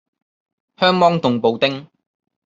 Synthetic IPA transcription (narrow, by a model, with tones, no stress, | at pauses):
hœː˥ŋmɔː˥ŋt̪ʊ˨ŋpo˨wt̪ɪ˥ŋ